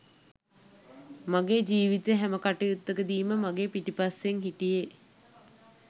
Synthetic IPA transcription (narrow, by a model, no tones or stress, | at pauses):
maɡeːd͡ʒiːʋit̪eɦæməkaʈejut̪ːəkəd̪iːməmaɡeːpiʈipaseŋɦiʈije